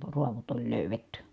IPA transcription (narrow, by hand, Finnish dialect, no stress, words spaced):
ruɑʋot olʲ løˑyʋetːy